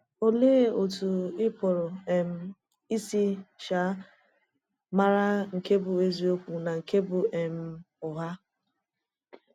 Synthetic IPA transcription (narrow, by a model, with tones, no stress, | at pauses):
o˦le˦˨o˨tu˨ɪ˦pɔ˨ɾɔ˨e˦˨m̩˦ | i˦si˦ʃa˨˦ | ma˦ɾa˦ŋ̩˨ke˦bʊ˨e˦zi˦o˦kʷu˨na˨ŋ̩˨ke˦bʊ˨e˨m̩˦ | ʊ˨ɦa˦